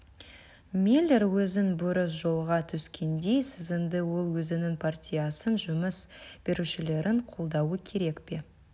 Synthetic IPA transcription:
milʲːe̞ɾwɵzɪnbʊɾəs̬ʒo̞lˠʁɑt̪ʰʏskʲʰe̞nd̪e̞jsɪzɪnd̪ɪwo̞lˠwɵzɪnɪŋpʰartʲijasənʒʊməsb̥e̞ɾuʃɪle̞ɾʔɪɴqʰolˠd̪ɑwəkʲʰe̞ɾe̞kpe̞

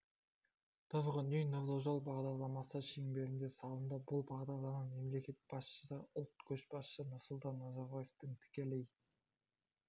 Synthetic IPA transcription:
t̪ʰʊzʁənejnoɾd̪oʒolˠbɑʁd̪ɑɾlˠɑmɑsəʃeŋbe̞ɾɪnd̪e̞sɑlˠənd̪əbʊlˠbɑʁd̪ɑɾlˠɑmɑme̞mle̞kʲe̞t̪̚b̥ɑsʃə̥səʊlˠt̪kʲʰɵʃbɑsʃənʊɾsʊlˠt̪ɑnːɑzɑɾbaje̞ft̪əŋt̪ʰɪ̥kʲelej

